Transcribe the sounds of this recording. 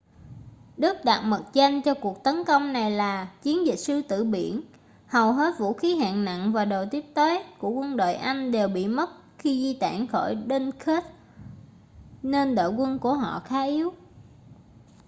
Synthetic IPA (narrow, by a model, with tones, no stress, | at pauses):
ɗɨ˦˥k̚ɗa˨˩t̚mə˨˩t̚t͡ɕe˧nt͡ɕɔ˧ku˨˩ək̚t̪ə˨˦nkə˧wŋ͡mna˨˩jlaː˨˩t͡ɕi˨˦ənzï̟˨˩sɨ˧t̪ɨ̰˧˨ɓḭ˧˩ən | hə˨˩wɦe˦˥t̚vṵ˧˥xi˨˦ɦa̰ː˧˨ŋna̰˧˨ŋvaː˨˩ɗo˨˩wt̪i˦˥əp̚t̪eː˨˦jku˧˩əkwə˧nɗo̰ː˧˨jʔa˧jŋ̟ɗe˨˩wɓḭ˧˨mə˦˥t̚ | xi˧zi˧t̪a̰ː˧˨nxɔ˧˩jɗe˧nke˦˥t̚ | ne˧nɗo̰˧˨jkwə˧nku˧˩əɦɔ̰˧˨xaː˨˦ʔi˨˦əw